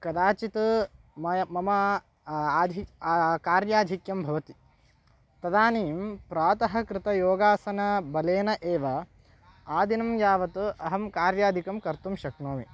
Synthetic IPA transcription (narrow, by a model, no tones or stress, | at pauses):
kɐd̪aːt͡ʃit̪u | mɐjɐmɐmɐː | d̪ʱikaːɾjaːd̪ʱikjɐmbʱɐʋɐt̪i̥ | t̪ɐd̪aːniːmpɾaːt̪ɐɦɐ̆kɾɪt̪ɐjoːɡaːsɐnɐbɐleːnɐʔeːʋɐ | aːd̪ʱinɐmjaːʋɐt̪uɐɦɐmkaːɾjaːd̪ʱikɐmkɐɾt̪umʃɐknoːmi